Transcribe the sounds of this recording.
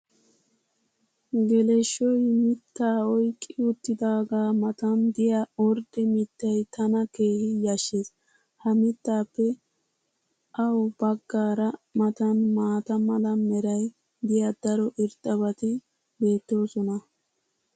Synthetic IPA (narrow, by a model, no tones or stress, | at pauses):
ɡɛlɛʃːɔjmɪt̪ːaːɔjkʼːɪʊt̪ːɪd̪aːɡaːmɐt̪ɐnd̪ɪjaɔɾd̪ɛmɪt̪ːɐjt̪ʰɐnɐke̞ːhɪjaʃːeːs | hɐmɪt̪ːaːpːɛ | ʔɐwbɐɡːaːɾɐmɐt̪ɐnmaːt̪ɐmɐlɐmɛɾɐj | d̪ɪjad̪ɐɾɔʔɪɾt̪ʼːɐβɐt̪ɪ | be̞ːt̪ːo̞ːsɔnɐ